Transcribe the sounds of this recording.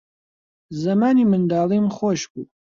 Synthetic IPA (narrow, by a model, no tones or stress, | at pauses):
zɐmaːnimɨnd̪aːlimχʷɔʃkʼṵ